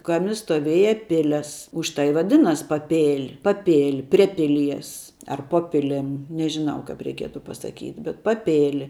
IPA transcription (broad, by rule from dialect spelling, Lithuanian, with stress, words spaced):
ˈkɑːmʲɪ stoːˈʋʲeːjɛ ˈpʲɪlʲɛs ˈʊʃ tɐɪ ɪ ʋɐˈdʲɪnɐsʲ pɐˈpʲeːlʲ pɐˈpʲeːlʲ pʲrʲiɛ ˈpʲɪˌlʲiɛs ɐr ˈpoː pʲɪˈlʲɪm nʲɛʒʲɪˈnɐʊ kɐp rʲɛɪˈkʲiɛtʊ pɐsɐˈkʲiːtʲ bʲɛt pɐˈpʲeːlʲɪ